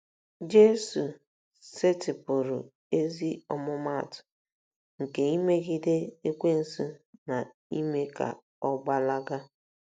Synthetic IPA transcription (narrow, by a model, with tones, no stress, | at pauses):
d͡ʒe˦su˨ | se˦tɪ˨pʊ˨ɾʊ̰˨ | e˦zi˦ɔ˦mʊ˦ma˦˨tʊ̥˨ | ŋ̩˨ke˨i˦me˦ɣi˦de˦e˦kʷe˦n̩˨su˦na˨ | i˦me˦ka̰˨ | ɔ˦ɡ͡ba˦la˦ɡa˦